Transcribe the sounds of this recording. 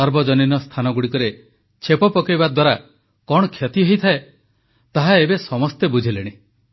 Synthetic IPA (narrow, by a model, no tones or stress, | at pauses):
ɔɾbɔd͡ʒɔninɔst̪ʰanɔɡuɽikɔɾe | t͡ʃʰepɔpɔkibad̪waɾa | kɔɽ̃ɔkʰjɔt̪iɦejt̪ʰae | t̪aɦaebesɔmɔst̪ebud͡ʒʱileɽ̃i